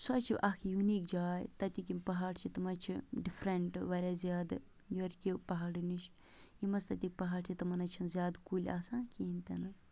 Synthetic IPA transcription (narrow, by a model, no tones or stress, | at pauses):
sɐt͡ʃʰiʔɐkʰijuniːkd͡ʒaːjt̪ɐt̪ʲukʲimpɐɦaːɽt͡ʃʰit̪ɐmɐt͡ʃʰiɖifʰɾɐɳʈʋɐɾʲaːzjaːd̪ɨ | joɾkʲipɐɦaːɽiniʃ | jimɐst̪ɐt̪ʲik̚pɐɦaːɽt͡ʃʰit̪ɐmɐnɐt͡ʃʰɐnzʲjaːd̪kulʲa̰ːsãːnkiːnt̪ɐnɨ